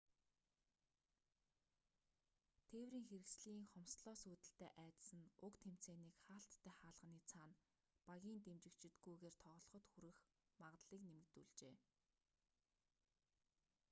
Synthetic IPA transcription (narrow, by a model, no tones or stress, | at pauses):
t̪ʰeːwriːŋxeɾɘ̆ksɮ̆iːŋχɔmsɮɔːsuːt̪ɘ̆ɬt̪eːʔæːt̪sɘ̆nʊkt̪ʰem̥t͡seːniːkχaːɬt̪ːæːχaːɮʁ̥ə̆niːt͡sʰaːn | paɣʲiːnt̪emt͡ɕɪ̆kt͡ɕʰɪ̆t̪̚ɡujɣeːrt̪ʰɔʁ̆ɮɞ̆χɞ̆t̪xuɾɘ̆x | maʁt̪ɮiːknemɘ̆k̚t̪uɮt͡ɕeː